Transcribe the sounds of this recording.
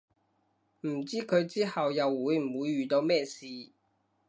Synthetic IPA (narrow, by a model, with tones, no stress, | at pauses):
m̩˨˩t͡siː˥kʰɵ˨˧ɥt͡siː˥hɐ˨wjɐ˨wːuː˨˥jm̩˨˩wuː˨˧jːyː˨˩t̪o˨˧wmɛː˥˩siː˨